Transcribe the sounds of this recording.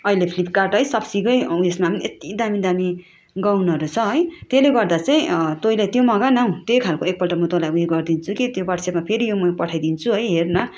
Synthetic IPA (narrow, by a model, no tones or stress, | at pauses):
ʌɦilepʰlipʰkarʈɦʌjsʌbsiɡʌjujesmapniet̪id̪amid̪ami | ɡawnʌʌɾut͡sʰʌɦʌjt̪eleɡʌrd̪at͡saĩt̪ojlet̪jomʌɡanaũt̪jojkʰalkoek̚pʌlʈʌmʌt̪olajujeɡʌrd̪int͡sʰukit̪jobarsemapʰeɾijomʌpʌʈʰajd̪int͡sʰuɦʌjɦernʌ